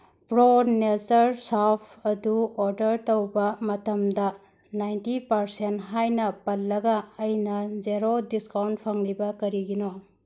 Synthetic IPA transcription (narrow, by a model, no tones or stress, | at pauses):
pɾonezɐɾsapʰɐduɔɾdɐɾtowbɐmɐtɐmdɐ | najntipɐɾsentɦajnɐpɐlːɐɡɐːjnɐzeɾodiskawnt̚pʰɐŋɾibɐkɐɾiɡino